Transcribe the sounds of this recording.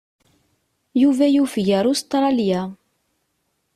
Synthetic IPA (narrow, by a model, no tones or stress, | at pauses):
juvæjufjæɾˤʊst̪ɾˤɑlja